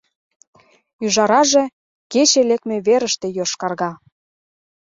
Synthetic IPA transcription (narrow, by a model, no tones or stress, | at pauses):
yʒɑɾɑʒĕ | ket͡ɕelek̚mĕβeɾəʃt̪ĕjoʃkɑrɣɑ